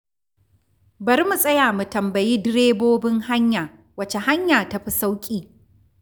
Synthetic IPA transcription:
bɐ˨ɾmu˨sʼɐ˦jaː˨mu˨tɐ˨mbɐ˨jiː˦dɪ˦ɾeː˦boː˦bɪ˦ŋha˦ɲjaː˨ | wɐ˨t͡ʃe˨ha˦ɲjaː˨tɐ˦ɸi˦sa˦wkʲʼiː˦

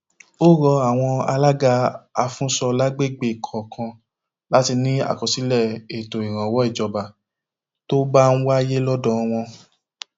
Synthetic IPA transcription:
o˦ɾɔ˧a˨w̃ɔ̃˧a̰˧la˦ɡa˧a˧fũ˦sɔ˧la˦ɡ͡be˦˨ɡ͡be˦˨kʰɔ˨kʰã˧ | la˦ti˧nĩ˦a̰˦˨kɔ˨si˨˦lɛ˦˨e˨to˨i˨ɾ̃ã˨wɔ˨˦i˦˨d͡ʒɔ˨ba˨ | to˦ba˦ñ̩˦wa˦je˦lɔ˦dɔ̃˦˧w̃ɔ̃˧

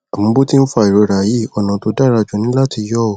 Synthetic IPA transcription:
a˨mũ˨˦bo˦ti˦n̩˦fa˧˨i˨ɾo˧ɾa˨ji˨˦˨ɔ˨nã˨to˨˧˦da˦˨ɾa˧d͡ʒɔ˨nĩ˨˦la˦ti˧jɔ˦o˨

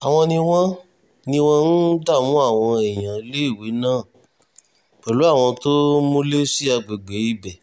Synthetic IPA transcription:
a˨w̃ɔ̃˧nĩ˧w̃ɔ̃˦ | nĩ˧w̃ɔ̃˦n̩˦da˦˨mũ˨˦a˦˨w̃ɔ̃˧ɛ˨j̃ã˨˦le˦i˦˨we˨˦nãː˦˨ | k͡pɛ˨lu˨˦a˦˨w̃ɔ̃˧to˦mõ˦le˦si˦a˧ɡ͡be˨ɡ͡be˨˦i˦˨bɛ˨

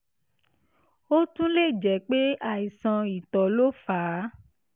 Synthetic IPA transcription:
o˦tũ˦le˦˨d͡ʒɛ˨k͡pe˦a˦˨i˨sã˧i˨tɔ˨lo˦faː˨˦

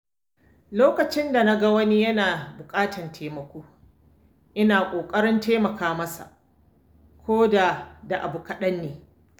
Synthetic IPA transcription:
loː˦kɐ˨t͡ʃɪ˦nda˨na˦ɡa˦wɐ˦ni˦jɐ˦naː˨bʊ˨kʼaː˦tɐ˨ntʰeː˨mɐ˨kʷoː˦ | ʔɪ˦naː˨kʷʼoː˨kʼɐ˦ɽɪ˦nteː˦mɐ˨kaː˦mɐ˦sa̰˨ | kʰʷoː˦da˨da˨ʔa˨bʊ˨kɐ˦ɗɐ˦nːeː˨

